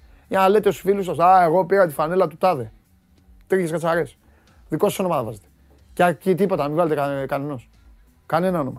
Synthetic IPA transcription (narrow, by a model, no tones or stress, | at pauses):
iɐnle̞t̪eosfilus̬ɐsae̞ɣo̞piɾɐt̪i̥fane̞lɐt̪ut̪ɐðe | t̪ɾiçeskɐt͡saɾes | ðikossonomɐðɐvɐzet̪e̥ | ceacit̪ipo̞t̪ɐmivalet̪ekɐneno̞s | kane̞naonomɐ